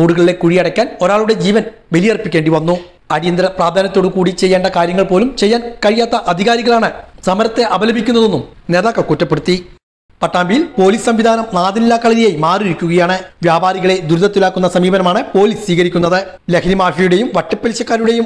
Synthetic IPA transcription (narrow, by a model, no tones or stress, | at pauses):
oːɽuɣɐɭile̞kuɻijɐɽɐkʲːaːno̞ɾaːɭuɽe̞d͡ʑiːʋɐn | ʋe̞lijɐrpːikʲːe̞ːɳɖiʋɐnːu | ɐɾijɐnd̪ɾɐpraːd̪ʱaːnɐt̪ːo̞ːɽukuːɽit͡ɕe̞jːeːɳɖɐkaːɾjɐŋːɐɭpo̞ːlumt͡ɕe̞jːaːnkɐɻijaːt̪ːɐʔɐd̪ʱiɣaːɾiɣɐɭaːɳɨsɐmɐɾɐt̪ːe̞ʔɐʋɐlɐbʱikʲːunːɐðe̞nːumneðaːkːɐkːutːɐpːeɽut̪ːi | pɐʈːaːmbijilpo̞ːliːssɐmʋid̪ʱaːnɐmnaːðilːaːkːɐɭɐɾijemaːriɾikʲːuɣɐjaːɳɨʋjaːbaːɾiɣɐɭe̞d̪uɾuðɐt̪ːilaːkːunːɐsɐmiːbɐnɐmaːɳɨpo̞ːliːssʋiːɣɐɾikʲːunːɐðɨ | lekʰnimaːʂɐjuɽe̞jumʋɐʈːɐpːelɕɐkːaːɾuɽe̞jum